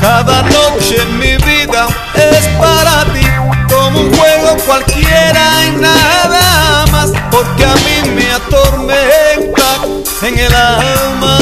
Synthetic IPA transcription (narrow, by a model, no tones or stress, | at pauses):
kaðanot͡ʃemiβiða | espaɾat̪ikomouŋxweɣokwalkjeɾaenaeðeamaspoɾkeamimeat̪oɾment̪a | eŋelaalma